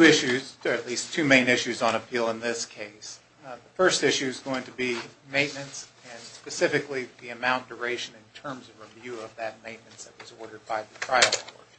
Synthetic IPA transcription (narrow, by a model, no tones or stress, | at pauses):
tʰʉɪʃʉz̥ə˞ɨtˡlistʰʉmẽɪ̃nɪʃʉzn̩əpʰilˠə̃nðɪskʰeɪs | ðəfɜ˞stɪʃʉɨzɡoʊɪ̃ŋtʰɨbimẽɪ̃nmɨ̃nts | ɨ̃nspɨsɪfɨkliðiɨmãʊ̃nd̥ə˞eɪʃɨ̃nɨ̃ntʰɜ̃˞mzʌvɹivjʉʌvðɨt̚mẽɪ̃nmɨ̃ntsðɨt̚wʌzɔɹɾə˞d̚baɪðɨtʰɹ̥aɪl̩ˠɔ˞d̥